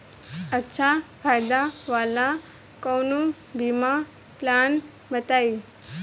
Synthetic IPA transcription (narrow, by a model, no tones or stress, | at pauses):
ətːɕʰafʰajd̪aʋala | kɔwnu | bʱima | plan | bət̪ai